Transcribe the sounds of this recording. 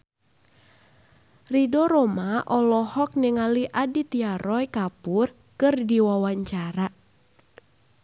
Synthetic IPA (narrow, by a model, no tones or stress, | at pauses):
ridɔɾɔmaʔɔlɔhɔk̚nɛŋaliʔadit̪iaɾɔjkapʊr | kɨrdiwawaɲt͡ʃaɾa